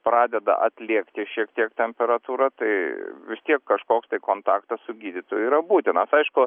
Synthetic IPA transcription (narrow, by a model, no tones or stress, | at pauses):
pɾɑːd̪ʲɛd̪ɐ̰ʔɐ̰t̪ʲlʲiɛkt̪ʲɪʃʲiɛkt̪ʲiɛkt̪ʲɛmʲpʲɛɾɐt̪uːɾɐt̪ɐɪʋʲɪst̪ʲiɛkːɐʃkoːkst̪ɐɪkoːnt̪ɑːkt̪ɐssʊɡʲiːd̪ʲɪt̪oːjʊiːɾɐbuːt̪ʲɪnɐsɐɪʃkʊ